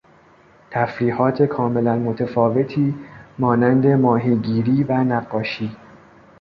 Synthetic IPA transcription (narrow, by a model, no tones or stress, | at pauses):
t̪ʰæfɾiːhɒːt̪ʰe̞kʰɒːme̞lænmot̪ʰefɒːve̞t̪ʰiːmɒːnænd̪e̞mɒːɦiːɟiːɾiːvænæɢːɒːʃiː